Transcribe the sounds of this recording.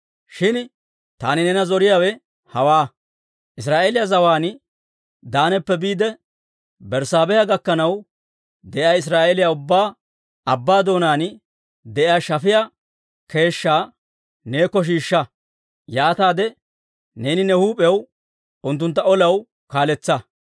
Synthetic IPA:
ʃɪn | t̪aːnɪnɛnɐzɔɾɪjaːwɛ | hɐwaː | ʔɪs̬ɾaːʔeːlɪjazɐwaːn | d̪aːnɛpːɛbiːd̪ɛ | bɛɾsaːbɛjɐɡɐkːɐnɐw | d̪ɛʔjaːɪs̬ɾaːʔelɪjaʊbːaː | ɐbːaːd̪o̞ːnaːn | d̪ɛʔɪjaːʃɐfɪja | ke̞ːʃːaː | ne̞ːkːɔʃ̬iːʃːɐ | jaːt̪aːd̪ɛ | ne̞ːnɪnɛhuːpʼjɐw | ʊnt̪̬ːʊnt̪ːɐɔlɐw | kaːlɛt͡sːɐ

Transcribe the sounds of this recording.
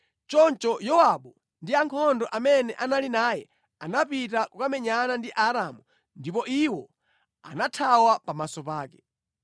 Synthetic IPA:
t͡ʃɔnt͡ʃɔjɔwaɓu | ndiaŋkʰɔndɔʔamɛnɛʔanalinaːjɛ | anapitakwamɛɲanandiʔaɾamu | ndipɔʔiwɔ | a̰natʰawapamasɔpaːkɛ̥

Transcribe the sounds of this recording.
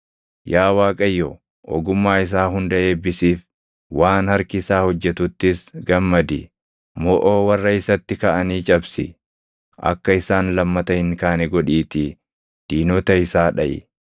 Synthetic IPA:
jaːwaːkʼɐjːɔ | ʔɔ̰ɡʊmːaːɪs̬aːɦʊnd̪ɐʔe̞ːbɪsiːf | waːnhɐɾkɪsaːhɔd͡ʒːɛt̪ʊt̪ːɪsɡɐmːɐd̪ɪ̰ | mɔʔoːwɐrːɐɪsɐt̪ːɪkɐʔɐniːt͡ʃʼɐbsɪ̰ | ʔɐ̰kːɐɪsaːnlɐmːɐt̪ɐhɪŋkaːnɛɡɔᶑiːt̪i | d̪̥iːnɔt̪ɐɪsaːᶑɐʔɪ̰

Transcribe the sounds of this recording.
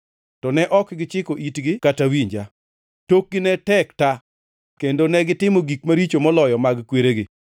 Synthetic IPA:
tɔnɛʔɔkɡɪt͡ʃɪkoʔitɡɪkatawiɲd͡ʒa | tok̚ɡɪnɛtɛkta | kendonɛɡɪtɪmoɡikmaɾit͡ʃomɔlɔjɔmaɡkweɾeɡɪ

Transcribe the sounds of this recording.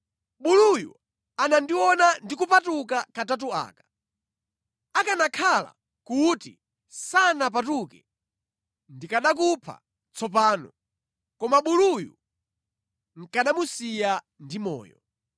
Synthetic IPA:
ɓulujṵ | anandiwɔnandikupatukakatat̬ua̰ːkḁ | akanakʰala̰ | kutḭ | sanap̬atukɛ | ndikaɗakupʰa̰ | t͡sʰɔp̬aːnɔ̰ | kɔmaɓulujṵ | ŋ̩kaɗamusija | ndimɔ̰ːjɔ̰

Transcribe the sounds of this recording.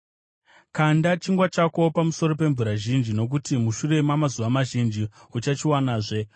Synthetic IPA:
kandat͡ʃiŋɡwat͡ʃako̞pamuso̞ɾo̞pe̞ɱvuɾaʒind͡ʒino̞k̬utimuʃure̞mamazuʋamaʒind͡ʒiut͡ʃat͡ʃiwanaːʐe̞

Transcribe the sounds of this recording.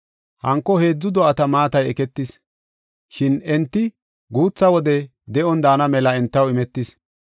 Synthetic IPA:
hɐŋkːɔhe̞ːd͡zːʊd̪ɔʔɐt̪ɐmaːt̪ɐjɛkɛt̪ːɪs | ʃɪnɛnt̪ːɪ | ɡuːt͡sːɐwɔd̪ɛ | d̪ɛʔɔnd̪aːnɐmɛlɐɛnt̪ːɐwɪmɛt̪ːɪs

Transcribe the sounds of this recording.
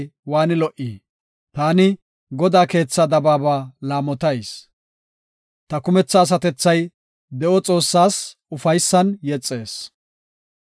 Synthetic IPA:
waːnɪlɔʔiː | t̪aːnɪ | ɡɔd̪aːke̞ːt͡sːɐd̪ɐbaːbaːlaːmɔt̪ɐjs | t̪ɐkʊmɛt͡sːɐːs̬ɐt̪ɛt͡sːɐj | d̪ɛʔɔt͡sʼo̞ːsːaːsʊfɐjsːɐnjɛt͡sʼːe̞ːs

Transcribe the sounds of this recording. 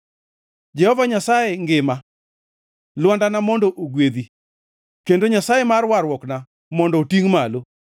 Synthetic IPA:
d͡ʒɛhɔvaɲasajeŋɡɪma | lwɔndanamɔndoʔoɡwed̪i | kendoɲasajemarwaɾwɔkna | mɔndɔtiŋmalo

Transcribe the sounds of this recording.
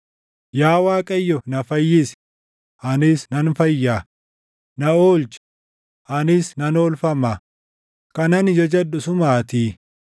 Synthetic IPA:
jaːwaːkʼɐjːɔnɐfɐjːɪs | ʔɐnɪsnɐnfɐjːaː | nɐoːlt͡ʃ | ʔɐnɪsnɐnoːlfɐmɐ | kɐnɐnɪd͡ʒɔd͡ʒɐdʊsʊmaːt̪iː

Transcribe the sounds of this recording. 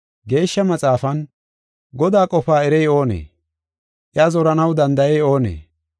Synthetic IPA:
ɡe̞ːʃːɐmɐt͡sʼaːfɐn | ɡɔd̪aːkʼɔpaːɛɾɛjo̞ːnḛː | ʔɪazɔɾɐnɐwd̪ɐnd̪ɐjɛjo̞ːnḛː

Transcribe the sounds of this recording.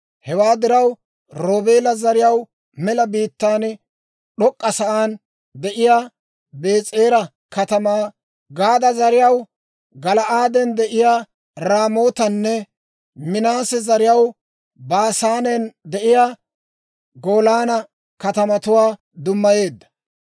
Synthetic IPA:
hɛwaːd̪ɪɾɐw | ɾoːbeːlɐzɐɾɪjɐw | mɛlɐbiːt̪ːaːn | ɗɔkʼːɐsɐʔaːn | d̪ɛʔɪjaː | be̞ːt͡sʼeːɾɐ | kʰɐt̪ɐmaː | ɡaːd̪ɐzɐɾɪjɐw | ɡɐlɐʔaːd̪ɛnd̪ɛʔɪjaː | ɾaːmo̞ːt̪ɐnːɛ | mɪnaːsɛzɐɾɪjɐw | baːsaːnɛnd̪ɛʔɪja | ɡoːlaːnɐ | kɐt̪ɐmɐt̪ʊwaː | d̪ʊmːɐje̞ːd̪ːɐ̥

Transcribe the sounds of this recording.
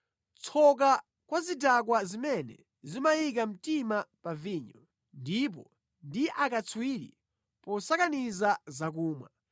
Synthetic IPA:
t͡sʰɔk̬a | kwazidak̬wazimɛnɛ̰ | zimajik̬am̩timapaviːɲɔ | ndip̬ɔ | ndiʔakat͡sʰwiɾḭ | pɔsakanizazak̬uːmwa̰

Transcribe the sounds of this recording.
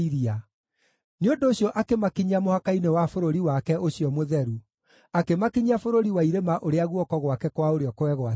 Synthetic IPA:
iɾia | neondoːɕjɔʔakemakiɲamohakainewafoɾoɾiwakɛoɕijɔmoðɛɾu | akemakiɲiafoɾoɾiwaiɾemaʔoɾeaɣwɔkɔɣwakɛkwaoɾeɔkowɛɣwa

